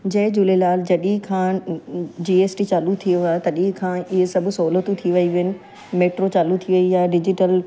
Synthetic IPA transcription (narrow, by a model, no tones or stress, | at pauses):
d͡ʑɐɦɪ̃d͡ʑulelaːld͡ʑɐɗĩkʰãː | d͡ʑiːeːsʈit͡ɕaːlut̪ʰijoat̪ɐɗĩɦkʰãːɪɦsɐbʱʊ̆sɐɦlət̪ũt̪ʰiʋɐiʋiənɪ̆ | meːʈɾot͡ɕaːlut̪ʰiʋɐijaːɖɪd͡ʑɪʈəl